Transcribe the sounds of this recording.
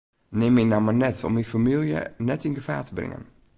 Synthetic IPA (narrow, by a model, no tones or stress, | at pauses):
nɪminamənɛtɔ̰mifamilˠjə̰nɛtɪnɡəfaːtəbrɪ̰ŋə̰n